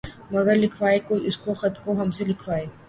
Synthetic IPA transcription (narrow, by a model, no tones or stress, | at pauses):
mɐɡəɾlɪkʰʋaːekoɪskoxɐt̪koɦɐmselɪkʰʋaːeː